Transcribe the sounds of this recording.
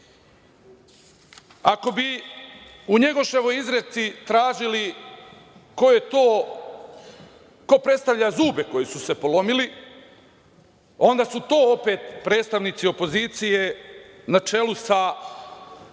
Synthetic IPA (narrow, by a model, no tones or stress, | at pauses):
ako̞bi | uɲe̞ɡo̞ʃeʋo̞jizɾet̪sit̪ɾaːʒili | kojet̪oː | ko̞pɾet̪st̪aʋʎazuːbe̞ko̞jesuse̞po̞lo̞mili | o̞nd̪aːsut̪o̞ːope̞t̪pɾe̞ːt̪st̪aʋnit̪sio̞po̞ziːt̪sije | nat͡ʃe̞lusa